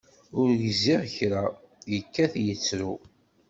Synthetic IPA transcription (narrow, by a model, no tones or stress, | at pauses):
ʊɾʝzːiʁçɾa | jəkːæθjət͡sːɾu